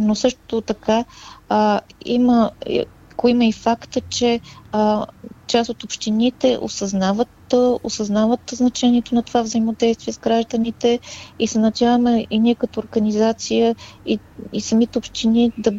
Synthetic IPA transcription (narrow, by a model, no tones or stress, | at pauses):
nosɤʃt̪t̪ot̪ɐka | ḭmə̰ | koiməifakt̪ət͡ʃɛ | t͡ʃast̪ot̪opʃt̪init̪ɛʔo̰sɐznavət̪osɐznavət̪znɐt͡ʃɛniɛt̪onɐt̪ovavzəimod̪ɛjst̪vʲiɛzɡɾaʒd̪ənit̪ɛisɛnɐt͡ʃavəmɛʔiniɛkɐt̪oːɾɡɐnizat̪sijəiisɐmit̪ɛopʃt̪inid̪ɐ